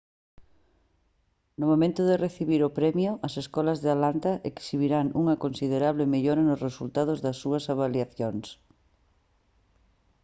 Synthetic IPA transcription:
nomomẽnt̪ʊðereθiβiɾʊpɾɛmjʊʔɐseskɔlɐzðealant̪ɐʔeksiβiɾaŋṵŋɐkonsiðeɾaβ̞lɪmeʎoɾɐnʊsresult̪aðʊzðɐsːuɐsaβaljaθjoŋs

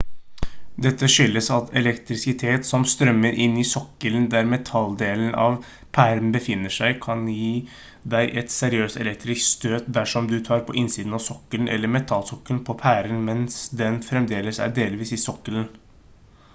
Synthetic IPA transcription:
d̪ɛt̪ːəʂʏlːəsɑt̪ʰɛlɛkt̪ɾɪsɪt̪ʰeːt̪sɔmst̪ɾœmːəɾʔɪnːɪsɔkːəlnd̪æɾmɛt̪ʰɑld̪eːlənʔɑ̰ʋ | pʰæɾnbəfɪnːəʂæɪkʰɑnjiː | d̪æɪʔɛt̪sɛɾɪøːst̪ɛlɛk̚t̪ɾɪskt̪st̪øːt̪̚d̪æʂɔmd̪ʉt̪ʰɑːɾpʰɔ̰ʔɪnsiːd̪ənɑʋsɔkːəlnʔɛ̰lːəɾmɛt̪ʰɑlsɔkːəlpʰɔpʰæːɾənmɛnsd̪ɛnfɾɛmd̪eːləsæ̰ɖeːlʋiːsɪsɔkːələn

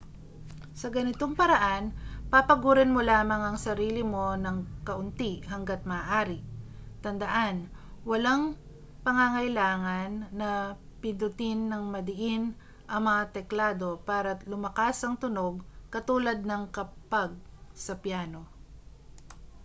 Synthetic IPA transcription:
sɐɡɐnɪt̪oŋpɐɾɐʔanpapɐɡuːɾɪnmolaːmɐŋɐŋsɐɾiːlɪmo̞nɐŋkɐʔʊnt̪iʔɦɐŋɡat̪̚mɐaːʔaːɾɪt̪ɐnd̪ɐʔan | wɐlaŋ | pɐŋaŋɐjlaːŋɐnːɐpɪd̪ʊt̪ɪnːɐŋmɐd̪ɪʔɪn | ʔɐŋmɐŋat̪ɛklaːd̪o̞paːɾɐlʊmɐkasɐŋt̪ʊno̞ɡ̚kɐt̪uːlɐd̪̚nɐŋkɐpaɡ̚sɐpjaːno̞

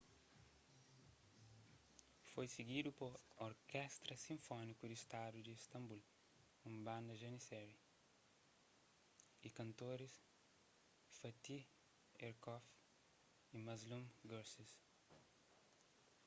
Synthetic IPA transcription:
fojsiɡid̪upoɾoɾkɛst̪ɾɐsĩɱfɔnikud̪ist̪ad̪ud̪iist̪ɐ̃mbul | ũmbãnd̪ɐʒɐnisɛɾi | ikɐ̃nt̪oɾis | fɐt̪i | eɾkɔf | imɐzlũmɡoɾsis

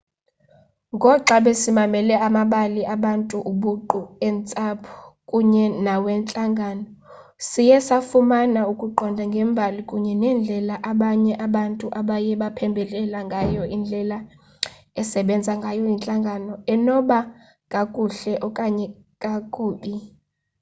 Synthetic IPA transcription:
ŋɡʱɔǁaɓɛsimamɛlɛamaɓaliʔaɓantʼuʔuɓuǃuɛnt͡sʼapʰukʼuɲɛnawɛnt͡ɬʼaŋɡʱanɔ | sijɛsafumanaukʼuǃɔndʱaŋɡʱɛmbʱalikʼuɲɛnɛnd͡ɮʱɛlaʔaɓaɲɛʔaɓantʼuʔaɓajɛɓapʰɛmbʱɛlɛlaŋɡʱajɔind͡ɮʱɛla | ɛsɛɓɛnd͡zʱaŋɡʱajɔjint͡ɬʼaŋɡʱanɔɛnɔɓa | kʼakʼuɬɛʔɔkʼaɲɛ | kʼakʼuːɓi

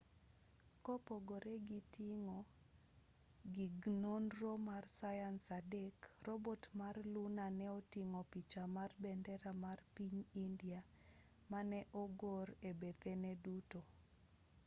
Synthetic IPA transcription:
kopoɡoɾɛɡitiŋo | ɡiɡnonromarsajansadɛkrɔbotmarlunanɛɔtiŋopit͡ʃamarbɛndɛɾamarpiɲindia | manɛʔɔɡoɾebet̪ɛnɛduto

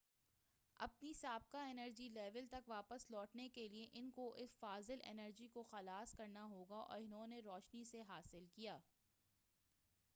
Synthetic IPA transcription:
ɐ̰pnisaːb̚kaɪnəɾd͡ʒilɛːʋəlt̪ɐkʋaːpəslɔːʈnekelieʔɪnkoʔɪsfaːzɪlɛ̰nəɾd͡ʒikoxɐlaːskɐɾnaɦoːɡaʔɔ̰ːɾɪnɦõːneɾɔːʃniseɦaːsɪlkijaː

